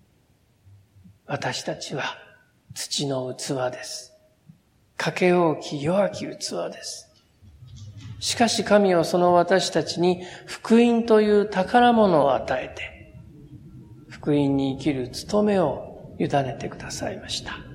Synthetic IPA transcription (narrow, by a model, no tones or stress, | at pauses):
βat̪aɕi̥t̪at͡ɕiβa | t͡sɨ̥t͡ɕino̞ɯ̟t͡sɨβad̪e̞sɨ̥ | kʰake̞o̞ːkʲʰijo̞βakʲiɯt͡sɨβa̰d̪e̞sɨ̥ | ɕi̥kaɕikamʲioso̞no̞βat̪aɕi̥t̪at͡ɕiɲ̟iɸɯ̟̥kɯ̟ĩnt̪o̞jɯ̟ːt̪akaɾamo̞no̞ːat̪ae̞t̪e̞̥ | ɸɯ̟̥kɯ̟ĩɲ̟ːiːkʲiɾɯ̟t͡sɨ̥t̪o̞me̞o̞jɯd̪ane̞t̪e̞kɯ̟d̪asa̰imaɕi̥t̪ḁ